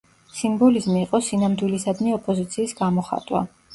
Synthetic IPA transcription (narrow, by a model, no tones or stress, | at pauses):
simbɔlizmiːqʼɔsinamd̪wilisad̪niɔpʼɔzit̪sʰiːsɡamɔχa̰t̪ʼwa̰